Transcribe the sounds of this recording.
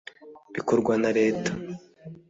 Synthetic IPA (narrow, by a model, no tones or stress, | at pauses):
bikoɾɡwanaɾe̞ːtḁ